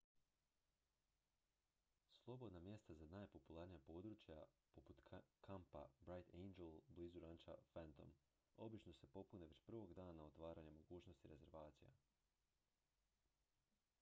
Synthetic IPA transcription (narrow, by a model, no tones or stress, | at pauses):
slˠo̞bo̞d̪namje̞st̪azanaːjpo̞pulˠaɾnijapo̞ːd̪ɾut͡ʃjapoput̪kʰampa̰bɾajt̪ʰejnd͡ʒelbliːzuɾant͡ʃa̰fant̪o̰m | o̞bit͡ʃno̞se̞po̞puneʋe̞t͡ɕprʋo̞ɡd̪aːnao̞t̪ʋaːɾaɲemo̞ɡuːt͡ɕno̞st̪iɾe̞ze̞ɾʋaːt̪sija̰